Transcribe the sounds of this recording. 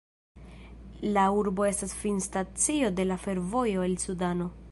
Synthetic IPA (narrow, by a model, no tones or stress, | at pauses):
lauɾbo̞e̞stasfinstat͡sio̞de̞lafe̞ɾvo̞jo̞elsudano̞